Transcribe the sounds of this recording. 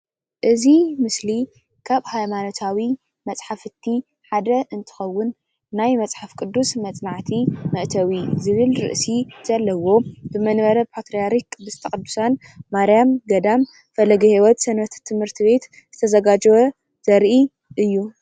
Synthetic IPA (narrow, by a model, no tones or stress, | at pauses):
ʔɨzimɨsli | kʰaβhajmanot̪ʰawi | mɐt͡sʼħafɨt̪ʰːi | ħad̪ɐʔɨnt̪ʰɨ̥xɐwːʊnː | ajmɐt͡sʼħafkʼɨd̪ːusmɐt͡sʼnaʕt̪ʰimɐʔt̪ʰɐwizɨβɨlɾɨ̰ʔsiz̥ɐlːɐwo̞bɨmɐnβɐɾɐpʰat̪ɾijaɾikʼːɨd̪ust̪ʰɐkʼɨd̪ːusan | maɾijamɡɐd̪am | fɐlɐɡihiwɔt̪sɐnɐt̪t̪ʰːɨmhɨɾt̪ʰiβe̞t̪ | zɨt̪ʰɐzɐɡad͡ʒwɐ | z̥ɐɾʔi | ʔɨjːu